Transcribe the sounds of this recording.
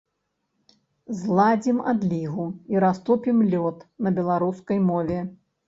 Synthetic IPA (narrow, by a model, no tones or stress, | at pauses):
zlˠad͡zʲimad̪lʲiɣuiɾast̪upʲimlʲɔt̪nɐbʲɛlˠaɾuskɐjmɔvʲɛ